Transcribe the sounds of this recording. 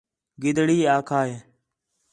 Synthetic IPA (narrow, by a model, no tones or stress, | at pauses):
ɡɪd̪ɽiːaːkʰaːeː